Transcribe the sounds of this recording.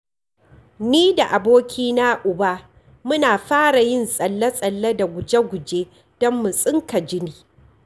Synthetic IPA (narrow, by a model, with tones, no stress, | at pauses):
niː˦da˨ʔa˨boː˦kʲʰiː˦na˦ʔʊ˨ba˦ | mʊ˦naː˨ɸaː˦ɽa˨jɪ˦nsʼɐ˨lːɐ˦sʼɐ˨lːɐ˦da˨ɡʷʊ˨d͡ʒe˦ɡʷʊ˨d͡ʒeː˦ | d̥ɔ˦mːʊ˨sʼɪ˦ŋka˨d͡ʒɪ˦niː˨